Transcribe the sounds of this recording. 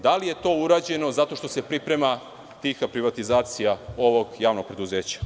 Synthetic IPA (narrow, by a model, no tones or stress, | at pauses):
d̪alije̞t̪o̞ːuɾaːd͡ʑe̞no̞zat̪o̞ʃt̪ose̞pɾipɾe̞ma | t̪ixapɾiʋat̪izaːt̪sijao̞ʋo̞ɡjaːʋno̞ɡ̚pɾe̞d̪uzeːt͡ɕḁ